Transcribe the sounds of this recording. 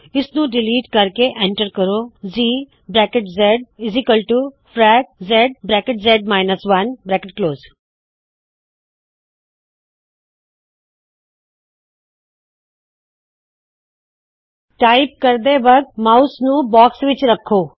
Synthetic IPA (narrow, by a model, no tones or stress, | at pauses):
ɪsnũɖɪliːʈkɐɾkeʔẽɳʈəɾkəɾoːziː | bɾɛːkeʈzɛɖ̚ɪzikəlʈu | fʰɾɛːk̚zɛɖ̚bɾɛːkɪʈzɛːɖmaːɪnəsʋɐnbɾɛːkɪʈ̚kloːz | ʈaːɪp̚kɐɾd̪eʋəɡ̪̚maʊsnũbɔːksʋɪt͡ʃɾɐkʰːoː